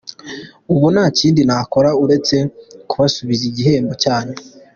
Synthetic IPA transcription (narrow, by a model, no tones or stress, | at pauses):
uβunaːciːndinako̞ɾauɾe̞t͡se̞kuβasuβiziɟiɦe̞ːmbocaːne̞